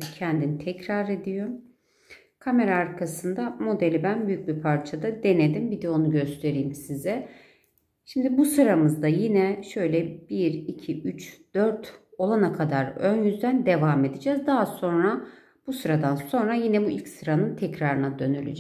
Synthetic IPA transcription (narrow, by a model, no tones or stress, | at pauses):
cʰɛnd̪init̪ʰɛcɾaɾe̞d̪ijo̞ɾ | kʰame̞ɾaːɾkʰasɯnd̪amo̞d̪elʲibænbyjyc̚bipʰaɾt͡ʃʰad̪ad̪e̞ned̪imbid̪eo̞nuɟø̞st̪ʰe̞ɾijːmsizɛ | ʃimd̪ibusɯɾamɯzd̪ajinɛʃø̞jlʲɛbiɾicʰiyt͡ʃd̪̥øɾt̪ʰo̞lˠanakʰad̪aɾønjyzd̪ænd̪e̞vaːme̞d̪id͡ʒɛːzd̪aɦaso̞nɾa | b̥usɯɾad̪anso̞nɾajinɛbuʔilʲcsɯɾanɯnt̪ʰɛcɾaɾɯnad̪ø̞nylʲy̰d͡ʒɛ